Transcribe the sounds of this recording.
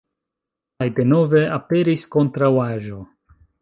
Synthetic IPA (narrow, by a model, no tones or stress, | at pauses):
kajde̞no̞ve̞ʔape̞ɾisko̞ntɾawaʒo̞